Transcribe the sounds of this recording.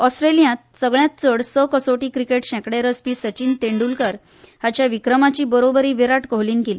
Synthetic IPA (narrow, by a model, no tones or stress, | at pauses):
ɔsʈɾelijãt̪̚səɡɭjat̪̚t͡səɽsəkəsoʈiːkɾikeʈɕɛ̃kɽeɾəspiːsət͡ɕiːnt̪eɳɖulkəɾ | hat͡ɕjaʋikɾəmat͡ɕiːbəɾobəɾiːʋeɾaʈkoɦliːnkeli